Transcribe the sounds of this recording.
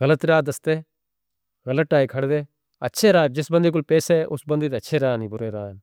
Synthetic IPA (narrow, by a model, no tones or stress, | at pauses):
ɣələt̪ɾaːd̪əst̪eː | ɣələʈ̚ːaːikʰɐɽd̪eː | ɐtːʃʰeːɾaːd͡ʒɪsbə̃nd̪iːk̬ʊlpeːseʔʊsbənd̪iːt̪eətːʃʰeːɾaːniːbʊɾeːɾaːn